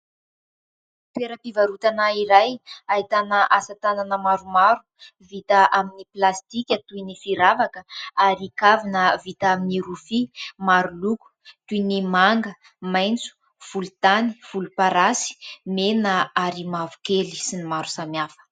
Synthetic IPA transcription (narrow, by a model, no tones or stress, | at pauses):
t̪eɾəpivaɾut̪anaiɾajaɦit̪anəʔasat̪ananəmaɾumaɾu̥ | vit̪əʔaminiplast̪ikʲət̪uinifiɾavakəaɾikavinəvit̪aaminirufimaɾuluku̥t̪uinimaŋɡə | majnt͡su̥ | v̥ulut̪aniv̥ulupaɾasi̥menəaɾimavu̥keli̥sinimaɾu̥samjafə̥